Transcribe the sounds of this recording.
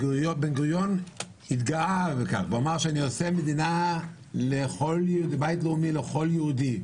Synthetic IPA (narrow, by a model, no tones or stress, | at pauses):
ɡujobenɡʁujon | it̪ɡaaveka̰χveomaʁʃeaniosemed̪ina | leχo̞ljeud̪ibajtleumileχo̞ljeudi